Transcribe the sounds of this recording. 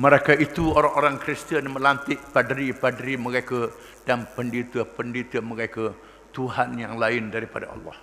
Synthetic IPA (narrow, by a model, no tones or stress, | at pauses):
məɾakait̪uoɾaŋoɾaŋkɾist̪ənməlant̪ɪʔpadəɾipadɾiməɾaka | danpəndit̪əpəndit̪əməɾaka | t̪uɦanjaŋlaɪndaɾipada̰ɑ̰lːɑ̰h